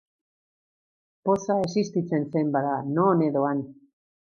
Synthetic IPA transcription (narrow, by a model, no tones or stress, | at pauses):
posae̞sist̪it͡se̞nse̞mbaðanone̞ðo̞an